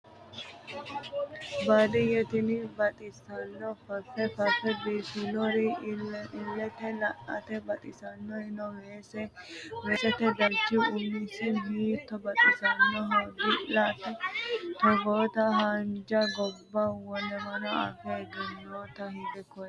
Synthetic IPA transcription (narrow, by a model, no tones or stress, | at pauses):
bad̪ɪjɛt̪ɪnɪbɐt̪ʼɪsɐnːɔfɐfɛfɐfɛbiːsɪlɔɾɪɪlːɛt̪ɛlɐʔɐ̰t̪ɛbɐt̪ʼɪsɐnːɔhɪnɔweːsɛweːsɛt̪ɛd̪ɐɾt͡ʃːɪʊnisɪbiːt̪ːɔbɐt̪ʼɪsɐnːɔɦɔdɪʔlat̪ɛt̪ɔɡoːt̪ɐɦand͡ʒɐɡɔbːɐwɔnɛmɐnɔa̰fɛɡɛnːoːt̪ɐhɪd̪ɛkɔ